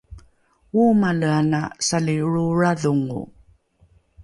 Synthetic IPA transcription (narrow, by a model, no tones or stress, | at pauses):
umaləanasaliɻuɻaðuŋṵ